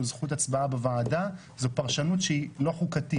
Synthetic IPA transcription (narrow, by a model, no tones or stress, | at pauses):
zχutat͡sbaabevaːda | zopaʁʃanut̪ʃeilo̞χukati